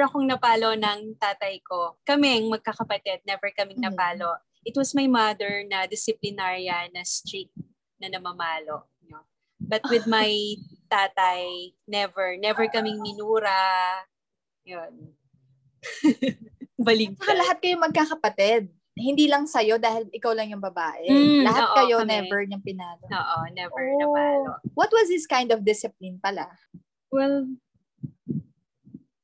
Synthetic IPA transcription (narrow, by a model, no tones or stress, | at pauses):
ɹɐkoŋnɐpaːlo̞nɐŋt̪aːt̪ɐjko̞kɐmɛɐŋmɐɡ̚kakɐpɐt̪ɛd̪̚nɛvɛɹkɐmɪŋnɐpaːlo̞ʔ | ʔɪt̪wɐsmɐjmɐd̪ɛɹnɐd̪ɪsɪplɪnaɹiɐnɐst̪ɹik̚ | nɐnɐmɐmaːlo̞ʔ | no | bɐt̪̚wɪd̪̚mɐjt̪aːt̪ɐjnɛvɛɹnɛvɛɹkɐmɪŋmɪnuːɾɐ | jon | bɐlɪɡ̚kɐlɐɦat̪̚kɐjomɐɡ̚kaːkɐpɐt̪ɛd̪̚ | hɪnd̪iːlɐŋsɐjo̞d̪aːhɪlɪkawlɐŋjʊŋbɐbaːʔɛlɐɦat̪kɐjo̞nɛvɛɹɲɐŋpɪnaːlooːʔonɛvɛ | wɐt̪̚wɐzhɪskajnd̪ɔfd̪ɪsɪp̚lɪnpɐla | wɛl